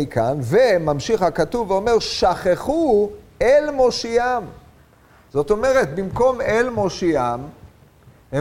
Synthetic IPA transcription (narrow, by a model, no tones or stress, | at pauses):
ikanvemamʃiχhakat̪uvːeome̞ʁʃaχeχuelmo̞ʃiam | z̥o̞t̪o̞me̞ʁe̞t̪bimko̞melmo̞ʃiam | he